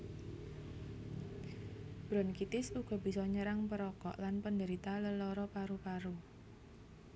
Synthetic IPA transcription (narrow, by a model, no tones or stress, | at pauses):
b̥ɾɔnkit̪ɪsuɡ̥ɔ̤bisɔɲəɾaŋpəɾɔkɔ̰ʔlanpəndəɾit̪aləlɔɾɔpaɾupaɾu